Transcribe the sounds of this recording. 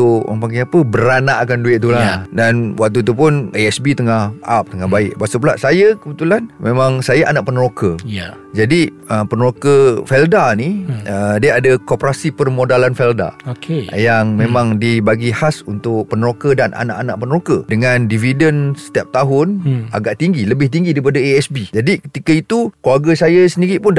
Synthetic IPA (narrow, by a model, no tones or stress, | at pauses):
t̪uʔa̰ŋpaɡɛapəbəɾanaʔakanduɪʔ̚t̪uladanwak̚t̪ut̪̬upʊnaɛsbit̪əŋahʔap̚t̪əŋahbaɪʔbasəpəlaʔsajəkəbət̪ulanmẽmãŋsajaʔanaʔpənəɾokəja | d͡ʒadi | əpənəɾokəfɛldaniədiəadəkopɾasipərmodalanfɛlda̰okʰejaŋmẽmãŋdibaɡihasunt̪ʊʔ̚pənəɾokədanʔa̰na̰ʔanaʔpənəɾokədəŋandividənsə̥t̪iap̚t̪aɦʊna̰ɡaʔt̪iŋɡiləbɪht̪̬iŋɡidaɾipadəeɛsbid͡ʒadikə̥t̪ikəit̪ukluaɡəsajasəniɾiʔpʊn